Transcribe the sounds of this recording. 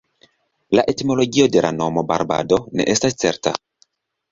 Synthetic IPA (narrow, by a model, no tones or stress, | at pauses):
laʔe̞timo̞lo̞ɡio̞de̞lʔa̰no̞mo̞baɾba̰do̞ne̞̰ʔe̞stast͡se̞̰ɾta̰